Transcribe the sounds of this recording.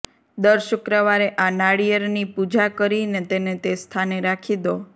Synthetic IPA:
d̪əɾʃʊkɾəʋaɾeʔanaɽijəɾnipud͡ʒakəɾinet̪enet̪est̪ʰaneɾakʰid̪o

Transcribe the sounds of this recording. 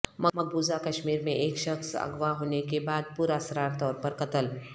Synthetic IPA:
mɐmɐɡ̚buːzakɐʃmiːɾmẽeːkʃɐxsɐ̰ɡʋaɦoːnekebaːd̪̚puɾasɾaːɾt̪ɔːɾpɐɾkɐt̪əl

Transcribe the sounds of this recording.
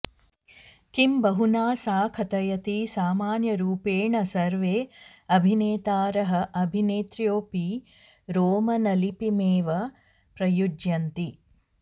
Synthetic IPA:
kimbɐɦunaːsaːkʰɐt̪ɐjɐt̪isaːmaːnjɐɾuːpeːɳɐsɐɾʋeː | ɐbʱineːt̪aːɾɐɦɐʔɐbʱineːt̪ɾjoːpi | ɾoːmɐnɐlipimeːʋɐ | pɾɐjud͡ʒjɐnt̪i

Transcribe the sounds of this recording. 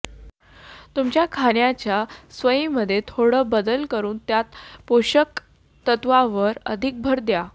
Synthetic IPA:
t̪umt͡ɕjakʰaɳjat͡ɕjasʋəjĩməd̪ʱːjet̪ʰoɽəːbəd̪əlkəɾuːnt̪jat̪poɕək | t̪ət̪ʋaʋəɾə̰d̪ʱik̚bʱəɾd̪ja

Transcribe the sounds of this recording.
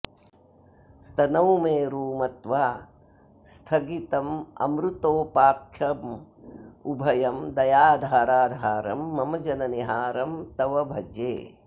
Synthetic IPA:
st̪ɐnɐwmeːɾuːmɐt̪ʋaː | st̪ʰɐɡit̪ɐmɐ̰mɾut̪oːpaːkʰjɐm | ubʱɐjɐmd̪ɐjaːd̪ʱaːɾaːd̪ʱaːɾɐ̰mːɐmɐd͡ʒɐnɐniɦaːɾɐmt̪ɐʋɐbʱɐd͡ʒḛː

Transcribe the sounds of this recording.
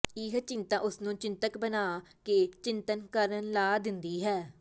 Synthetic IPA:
ɪɦt͡ʃɪ̃nt̪ãːʔʊsnũːt͡ʃɪ̃nt̪əkbənaːket͡ʃɪnt̪ənkəɾənlaːd̪ɪnd̪iːɦɛː

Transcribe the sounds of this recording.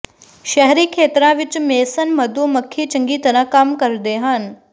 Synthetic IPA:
ʃɛɦɾiːkʰeːt̪ɾãʋɪt͡ʃmeːsənmɐd̪uːmɐkʰːiːt͡ʃɐ̃ŋɡiːt̪əɾəɦkamkɐɾd̪eːɦan

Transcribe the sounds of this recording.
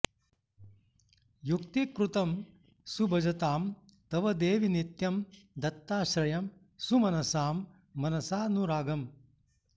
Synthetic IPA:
juk̚t̪ikɾut̪ɐm | subʱɐd͡ʒɐt̪aːm | t̪ɐʋɐd̪eːʋinit̪jɐmd̪ɐt̪ːaːʃɾɐjɐm | sumɐnɐsaːmː | ɐnɐsaːnuɾaːɡɐm

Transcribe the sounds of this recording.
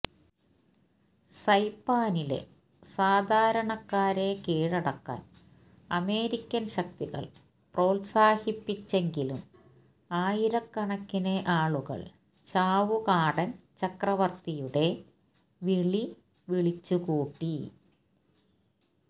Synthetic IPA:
sɐjpːaːnile̞̰ | saːd̪ʱaːɾɐɳɐkːaːɾekeːɻɐɽɐkːa̰ːn | ɐme̞ːɾikʲːɐnɕɐk̚t̪iɣɐ̰ɭ | pro̞ːlsaːhipːit͡ɕːe̞ŋɡilum | aːjiɾɐkːɐɳɐkːineʔaːɭuɣɐ̰ɭ | t͡ɕaːʋukaːɽɐnt͡ɕɐkrɐʋɐrt̪ijuɽe̞ | ʋiɭi | ʋiɭit͡ɕːukuːʈːi

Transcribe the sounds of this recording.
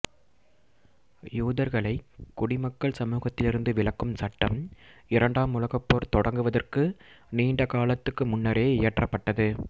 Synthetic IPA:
juːðɐɾɣɐɭɐɪkːʊɽɪmɐkːɐɭsɐmuːɣɐt̪ːɪlɪɾɯnd̪ɯʋɪɭɐkːɯmsɐʈːɐmɪɾɐɳɖaːmʊlɐɣɐpːoːɾt̪ɔɽɐŋɡɯʋɐðɐrkɯ | niːɳɖɐkaːlɐt̪ːɯkːɯmʊnːɐɾeːɪjɐʈrɐpːɐʈːɐðɯ

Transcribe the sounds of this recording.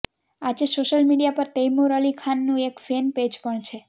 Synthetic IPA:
ad͡ʒesoʃəlmiɽijapəɾt̪ejmuɾəlikʰanːũekfenped͡ʒpəɳt͡ʃʰe

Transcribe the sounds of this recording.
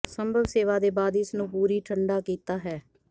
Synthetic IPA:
səmbʱəʋseːʋaːd̪eːbaːd̪ɪsnũːpuːɾiːʈʰəɳɖaːkiːt̪aːɦɛː

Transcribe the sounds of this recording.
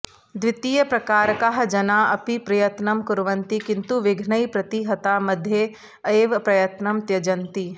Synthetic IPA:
d̪ʋɪt̪iːjəpɾɐkaːɾkaɦd͡ʒɐnaɐpipɾɐjət̪nəmkʊɾʋənt̪ikɪ̃nt̪uʋɪɡʱnəipɾɐt̪iɦɐt̪amɐd̪ʱje | eːʋpɾɐjət̪nɐmt̪jɐd͡ʒɐ̃nt̪i

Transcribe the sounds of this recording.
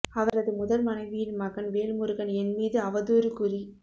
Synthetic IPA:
ɐʋɐɾɐðɯmʊðɐlmɐnɐɪʋɪjɪnmɐɣɐnʋeːlmɯɾɯɣɐnɛnmiːðɯɐʋɐðuːɾɯkʊri

